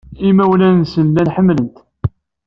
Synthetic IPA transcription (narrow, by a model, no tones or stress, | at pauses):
imæwlænnsənlænħəmːlənt̪